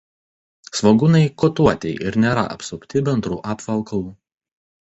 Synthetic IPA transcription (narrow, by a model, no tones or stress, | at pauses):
sʋoɡʊnɐɪkɔt̪uɔt̪ʲɛɪʔɪɾnʲeːɾɐ̰ʔɐ̰psʊpʲt̪ʲɪbʲɛnd̪ɾuːʔɑːpʋɐlˠkɐlˠuː